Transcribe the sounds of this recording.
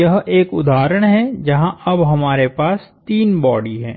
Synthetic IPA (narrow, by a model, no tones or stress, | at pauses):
jɐɦeːkʊd̪ʱaːɾəɽ̃ɦɛd͡ʒɐɦãʔɐbɦɐmaːɾepaːs | t̪iːnbɔːɖiɦɛ̰̃ː